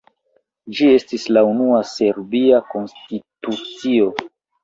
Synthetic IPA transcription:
d͡ʒie̞stislaunuase̞ɾbiako̞nstitut͡sio̞

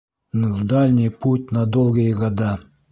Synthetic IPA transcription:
nvd̪alʲnʲijput̚ʲnad̪olˠɡəjəɡad̪ɑ

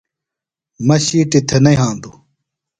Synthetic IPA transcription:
mɐɕiːʈit̪ʰɐnɐiɦãːnd̪u

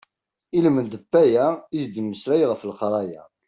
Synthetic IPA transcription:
ilmənd̪əbːæjæizd̪əmːəslæjʁəflqɾˤɑjæ̰

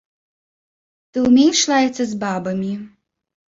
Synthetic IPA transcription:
t̪ɨumʲejʃlajɛt͡s̪ːɐzbabɐmʲi

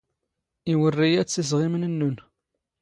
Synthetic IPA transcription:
iwərːijæt͡sːiz̬ʁimnənːun

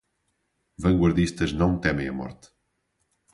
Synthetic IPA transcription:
vɐ̃ŋɡwɐɾðiʃt̪ɐʒnɐ̃w̃t̪ɛmɐ̃j̃ɐmɔ̰ɾt̪

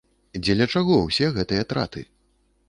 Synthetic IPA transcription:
d͡zʲɛlʲɐt͡ʂaɣɔwsʲɛɣɛt̪ɨjɐt̪ɾa̰t̪ɨ̰

